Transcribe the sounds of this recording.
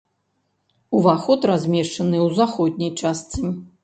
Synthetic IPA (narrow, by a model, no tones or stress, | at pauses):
uvaxɔt̪razʲmʲɛʂt͡ʂɐnɨwzaxɔd̪̚ʲnʲijt͡ʂast̪sɨnʲi